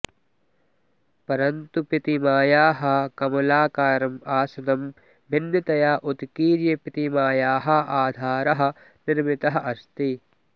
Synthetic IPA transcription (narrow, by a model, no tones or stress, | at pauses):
pɐɾɐnt̪upit̪imaːjaːɦɐ̆kɐmɐlaːkaːɾɐmaːsɐnɐm | bʱinːɐt̪ɐjaːʔud̪kiːɾjɐpit̪imaːjaːɦɐ̆ʔaːd̪ʱaːɾɐɦɐ̆ | niɾmit̪ɐɦɐʔɐst̪i